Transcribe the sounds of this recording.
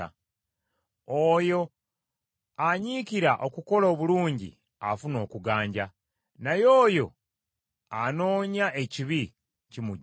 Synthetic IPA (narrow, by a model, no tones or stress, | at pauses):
a̰ | ojo̞ | aɲiciɾaʔo̞kuko̞lo̞ːβuluːɲɟḭ | afuno̞ːkuɡaːɲɟa | najo̞ːjo̞ | ano̞ːɲaʔe̞ciβi | cimuɟ